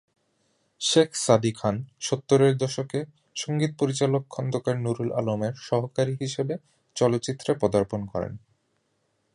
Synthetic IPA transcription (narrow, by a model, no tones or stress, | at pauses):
ʃekʰsad̪ikʰanʃot̪ːoɾeɾd̪ɔʃoke | ʃoŋɡit̪̚poɾit͡ɕalokʰːɔnd̪okaɾnuɾula̰lomeɾʃɔɦokaɾiɦiʃebe | t͡ɕɔlot̪ːɕit̪ːɾepɔd̪aɾponkɔɾḛn